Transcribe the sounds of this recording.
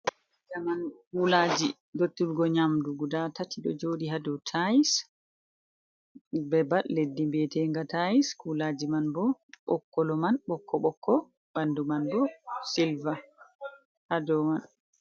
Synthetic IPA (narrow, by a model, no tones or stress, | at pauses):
damankulad͡ʒi | dotːulɡɔɲamduɡudatatʰiɗɔ̰d͡ʒoːdihadɔtʰajis | bɛballedːimbɛtɛŋɡatajiskulaːd͡ʒimanbɔɓɔkːɔlɔmanɓɔkːɔɓɔkʰːɔ | bandumanbɔsilva | hadɔman